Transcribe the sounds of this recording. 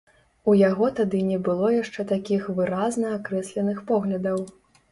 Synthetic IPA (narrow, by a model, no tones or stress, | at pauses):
ujaɣɔt̪ad̪ɨnʲɛbɨlˠɔjaʂt͡ʂɛt̪akʲixvɨɾaznɐakɾɛsʲlʲɛnɨxpɔɣlʲɐd̪ɐw